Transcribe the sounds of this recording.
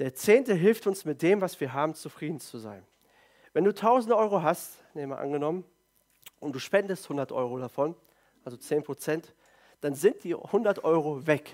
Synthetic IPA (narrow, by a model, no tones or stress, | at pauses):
d̥eːɐt͡seːntəɦɪlftʊnsmɪt̚d̥eːmvasv̥iːɐɦaːbm̩t͡sufʁ̥iːdn̩t͡suza̰ɪn | vɛnduːtʰaʊzn̩dʔɔʏʁ̞oɦast | neːma̰ʔa̰nɡənɔmən | ʔʊnt̚d̥uːʃpɛndəsthʊndɐtʔɔ̰ʏʁ̞odafɔn | ʔalzot͡seːnpʁ̥ot͡sɛnt | d̥anzɪnt̚d̥iːhʊndɐtʔɔʏʁovɛk